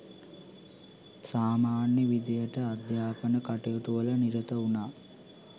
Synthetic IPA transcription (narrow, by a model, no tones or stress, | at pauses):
saːmaːnjəʋid̪ejəʈəad̪jaːpənəkaʈejəʈuʋələniɾət̪əunaː